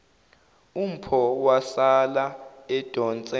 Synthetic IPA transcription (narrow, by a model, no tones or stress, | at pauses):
um̩pʰɔwasalaɛd̥ʱɔnt͡sʼɛ